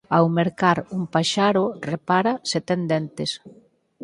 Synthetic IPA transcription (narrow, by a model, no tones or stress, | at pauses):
awmeɾkaɾumpaʃaɾʊrepaɾaset̪end̪ent̪es